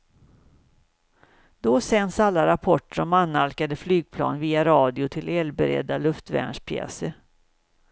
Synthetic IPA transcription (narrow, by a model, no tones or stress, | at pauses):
d̪̥ɔsɛnsalːaɾapʰɔʈːəɾɔmanːalkad̪əflyːɡ̚pʰlɑ̰ːnviːaɾɑːd̪ɪʊt̪ʰɪlɛːlbɛɾɛ̰d̪ːalɵft̪væ̰ɳʂpʰjɛ̰ːsəɾ